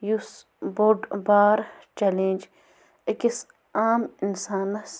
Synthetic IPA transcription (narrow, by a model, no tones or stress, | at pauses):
jus | boɖbaːɾ | t͡ʃɛlẽːnʲd͡ʒ | ɐkis | aːminsaːnɐs